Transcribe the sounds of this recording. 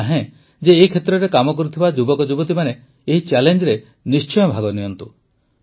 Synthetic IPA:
aɦẽ | d͡ʒeːikʰet̪ɾɔɾekamɔkɔɾut̪ʰibad͡ʒubɔkɔd͡ʒubɔt̪̬imaneː | ɦit͡ʃɛlend͡ʒɔɾe | nist͡ʃɔjɔbʱaɡɔniɔnt̪u

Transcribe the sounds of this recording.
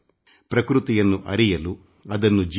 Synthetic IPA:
pɾɐkɾut̪ijɐnːuʔɐ̰ɾijɐlu | ɐd̪ɐnːud͡ʒi

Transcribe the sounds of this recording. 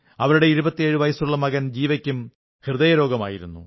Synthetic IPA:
ɐʋɐɾuɽe̞iɾubɐt̪ːijeːɻuʋɐjɐsuɭːɐmɐɣɐnd͡ʑiːʋɐkʲːum | hirðɐjɐɾo̞ːɡɐma̰ːjiɾunːṵ

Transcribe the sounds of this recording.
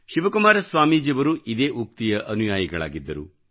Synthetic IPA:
ʃiʋɐkumaːɾɐsʋaːmiːd͡ʒiʋɐɾuʔid̪e̞ːʔuk̚t̪ijɐʔɐnujaːjɐɡɐɭa̰ːɡid̪ːɐɾṵ

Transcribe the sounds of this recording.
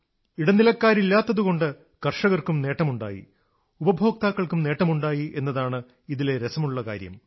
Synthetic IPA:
iɽɐnːilɐkːaːɾilːaːt̪ːɐðuɣo̞ɳɖɨ | kɐrʂɐɣɐrkumne̞ːʈːɐmuɳɖa̰ːjḭ | ubɐbʱo̞ːkt̪aːkːɐɭkumne̞ːʈːɐmuɳɖaːjiʔe̞nːɐðaːɳɨ | iðile̞ɾesɐmuɭːɐkaːɾjɐ̰m

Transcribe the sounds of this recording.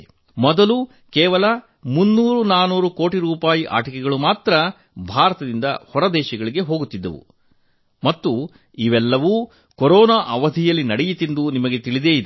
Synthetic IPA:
mɔd̪ɐlu | kɛːʋɐlɐ | munːuːɾunaːnuːɾukoːʈiɾuːpaːjiʔa̰ːʈɐkɛɡɐɭumaːt̪ɾɐ | bʱaːɾɐt̪ɐd̪ind̪ɐ̰hɔɾɐd̪ɛːʃɐɡɐɭiɡe̞ɦo̞ːɡut̪ːid̪ːɐ̰ʋṵ | mɐt̪ːu | iʋɛlːɐʋu | kɔɾɔːnaːʔɐʋɐd̪ʱijɐlːinɐɽɛjit̪ind̪unimɐɡe̞t̪iɭid̪eːid̪e

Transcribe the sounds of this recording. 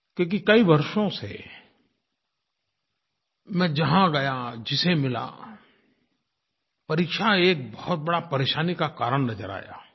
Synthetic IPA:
kjõːk̬ikɐiʋɐɾʃõsḛ | mɛ̃ːd͡ʒɐɦãɡɐjad͡ʒɪsemɪla̰ | pɐɾiːkʃaeːk̚bɔhʊt̪̚bɐɽapɐɾeːʃaːnikakaːɾəɽ̃nɐzəɾa̰ːja̰ː

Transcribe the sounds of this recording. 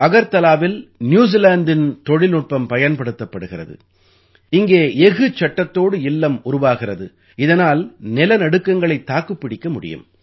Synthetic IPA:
ɐɣɐɾt̪ɐlaːʋɪlnjuːs̬ilaːɳd̪ɪnt̪ɔɻɪlnʊʈ̚pɐmpɐjɐnpɐɽɯt̪ːɐpːɐɽɯɣɪrɐ̰ðɯ̰ | ɪŋɡeːeɣɯt͡ʃːɐʈːɐt̪ːoːɽɯɪlːɐmʊrʊʋaːɣɪrɐðɯ | ɪðɐnaːlnɪlɐnɐɽɯkːɐŋɡɐɭɐɪt̪ːaːkɯpːɪɽɪkːɐmʊɽɪ̰jɯ̰m

